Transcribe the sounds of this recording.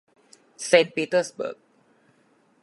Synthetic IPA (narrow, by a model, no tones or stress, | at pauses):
sɛ̃npitəsbə̰k̚